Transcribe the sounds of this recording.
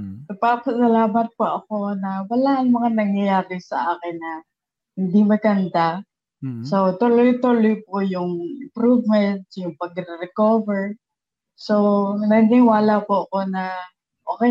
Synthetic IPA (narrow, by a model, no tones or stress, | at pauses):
nɐɡ̚papɐsɐlaːmɐt̪̚poʔɐko̞nɐwɐlaʔɐnmɐŋanɐŋjɐjaːɾɪsɐ̰ʔaːkɪnːɐ | hɪnd̪imɐɡɐnd̪a | so̞t̪olojt̪ulojp̚ojʊŋʔɪmpɾuvmɛnt̪jʊŋpɐɡɾɪɾɛkovɛɹ | so̞nɐnɪwaːlɐpoɐko̞nɐ | ʔoːkɛ